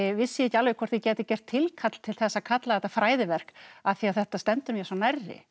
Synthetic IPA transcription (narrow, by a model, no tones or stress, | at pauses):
vɪsːɪɛcːɪalvɛkʰvɔr̥t̪jɪcɛːt̪ɪcɛr̥t̪ʰːɪlkʰat̪l̥t̪ʰɪlθɛsːakʰat̪laθɛt̪afɾaːjðɪvɛr̥kaθiaθɛht̪ast̪ɛnt̪ʏmjɛsanarːɪ̰